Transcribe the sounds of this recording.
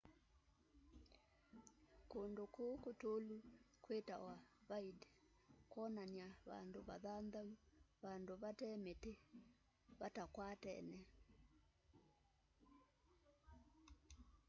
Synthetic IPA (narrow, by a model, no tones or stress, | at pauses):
kondokokotolu | kweta̰waβaitɛ̥ | kwɔnaniaβa̰ndoβa̰ðandauβandoβatɛmete | βatakwatɛ̰nɛ